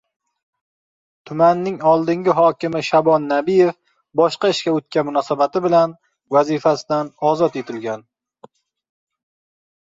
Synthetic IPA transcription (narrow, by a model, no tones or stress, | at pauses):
t̪ʰʊmanːɪŋɒlˠd̪ɪŋʲɪɦɒkʲɪmɪʃabɒnːabijef | bɒʃqɑɪʃkʲaɵt̪̚kʲanmʊnɒsabat̪ʰɪbɪlan | vazifasɪd̪anɒzɒt̪e̞t̪ʰɪlɡʲan